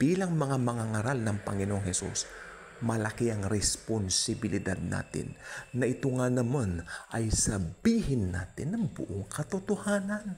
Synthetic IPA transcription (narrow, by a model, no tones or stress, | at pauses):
b̥iːlɐŋmɐŋamɐŋaŋaɾalnɐŋpɐ̰ŋɪnoʔoŋhɛsṵs | mɐlɐkiɐŋɾɛsponsɪbɪlɪd̪a̰d̪̚na̰ːt̪ɪ̰nːɐʔɪt̪ʊŋanɐmanʔɐjsɐbiːhɪnːa̰ːt̪ɪnːɐŋbʊ̰ʔoŋkʰɐt̪ot̪ʊhaːnɐn